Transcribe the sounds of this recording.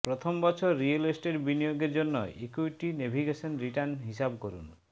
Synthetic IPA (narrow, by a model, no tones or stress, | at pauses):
pɾɔt̪ʰɔmɔbɔt͡ʃʰɔɾielesʈeɖbinijoɡeɾd͡ʒonːɔ̰ekuʈinebʱiɡesɔnɾiʈaɾnɦisabkɔɾṵn